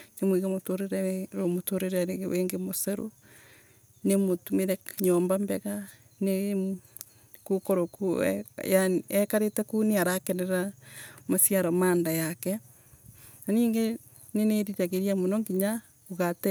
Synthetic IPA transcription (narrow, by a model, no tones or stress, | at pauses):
kemwiɣemotoɾeɾɛɾomotoɾeɾɛɾeweːŋɡemosɛɾo̰ | nemotumeɾɛɲɔːmbambɛɣa | ne | kokoɾokṵjaɛkaɾetɛkuneaɾakɛnɛɾamasjaɾɔmaːndajakɛ | naniːŋɡe | neneɾiɾaɣeɾiamonɔŋɡiɲa | oɣatɛ